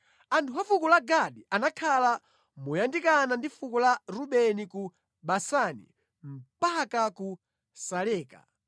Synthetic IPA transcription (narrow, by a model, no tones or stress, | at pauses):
antʰuɦafukulaɡaɗiʔanakʰala | mujandikanandifukulaɾuɓɛniku | ɓasanḭ | m̩pakaku | salɛːka̰